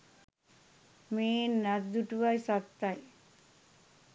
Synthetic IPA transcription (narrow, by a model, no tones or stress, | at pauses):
meːnːatd̪uʈuʋajsat̪ːaj